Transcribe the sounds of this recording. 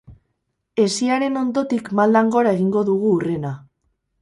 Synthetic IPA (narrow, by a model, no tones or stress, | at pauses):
e̞siaɾe̞no̞nd̪o̞t̪ikmald̪aŋɡo̞ɾae̞ɣiŋɡo̞ðuɣ̞uːre̞na